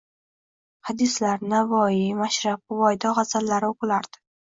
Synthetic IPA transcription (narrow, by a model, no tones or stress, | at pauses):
had̪ɪslaɾnavɒjɪmaʃɾap̚ʊvɒjd̪ɒʁɑzalːaɾɪoqlaɾd̪̥ɪ̥